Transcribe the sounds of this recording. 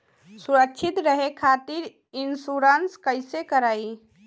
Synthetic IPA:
suɾəkːt͡ʃʰit̪ɾəɦekʰat̪iɾ | insuɾənskəjsekəɾai

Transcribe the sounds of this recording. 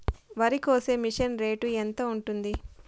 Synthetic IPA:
ʋɐɾikoːseːmiʂɐnɾe̞ːʈuent̪oːuɳʈund̪i

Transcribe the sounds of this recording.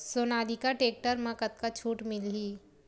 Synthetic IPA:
soːnaːd̪ikaʈeːk̚ʈəɾmãkət̪̚kat͡ʃʰuːʈmɪlɦiː

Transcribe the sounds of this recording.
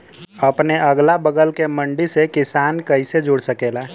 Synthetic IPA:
ɐpneɐɡlabəɡəlkemə̃ɳɖisekɪsaːnkɐised͡ʒʊɽsəkeːlaː

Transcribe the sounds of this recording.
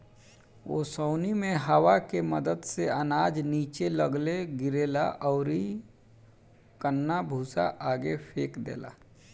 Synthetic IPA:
ʋo̰səːnimẽɦəwakeməd̪əd̪seənaːd͡ʒniːt͡ʃeləɡleɡɪɾeːlaʔɔʊɾi | kənːabʱuːsa̰ʔaːɡepʰeːkd̪ḛːla̰ː

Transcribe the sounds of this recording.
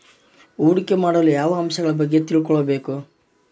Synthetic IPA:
uːɽikːe̞maːɽɐlujaːʋɐɐmʃɐɡɐɭɐbɐɡːet̪iɭkɔɭɐbeːku

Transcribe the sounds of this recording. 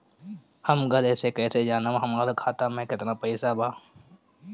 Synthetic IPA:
hɐmɡəlɛːsekɛːsed͡ʒaːnəmɦɐmaːlokʰaːt̪amɛ̃kɪt̪napəɪsabʱaː

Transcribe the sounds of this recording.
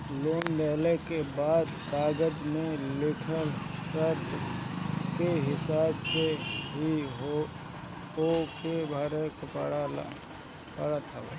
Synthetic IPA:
loːnbɛːlekebaːd̪k̪aːɡəd̪mẽlɪʈʰəɾsət̪ | keɦɪsaːbseɦiɦo | okebʱaɾekpɽ | pəɽat̪ʰa

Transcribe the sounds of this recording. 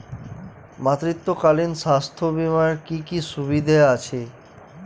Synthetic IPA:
mat̪ɾit̪ːokalinʃast̪ʰobimaɾkikiʃuβid̪ʱaeat͡ɕʰe

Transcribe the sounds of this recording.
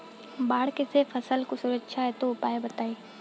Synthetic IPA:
baːɽkesefɐsəlkosʊɾəkʃʰaɦɛt̪oʊpaːebɐt̪aːiː

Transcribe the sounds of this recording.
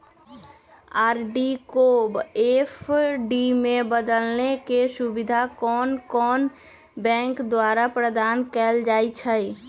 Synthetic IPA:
aɾɖikobepʰɖimebəd̪əlnekesubid̪ʱakɔːnkɔːn | bɛ̃ŋkd̪waɾapɾəd̪aːnkɛld͡ʒait͡ʃʰəj

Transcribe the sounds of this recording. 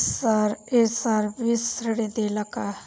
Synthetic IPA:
saɾesaːɾbisɾəɽẽd̪eːlaka

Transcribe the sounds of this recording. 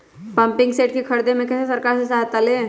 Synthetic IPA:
pɐ̃mpɪ̃ŋɡseːʈkikʰɐɾd̪emẽkɛːsesɐɾkaːɾsesaɦt̪ale

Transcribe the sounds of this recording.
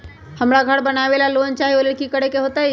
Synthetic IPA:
həmɾaɡʱəɽbənaʋelaloːnt͡ʃaɦioleɽkikəɽekeɦot̪aj

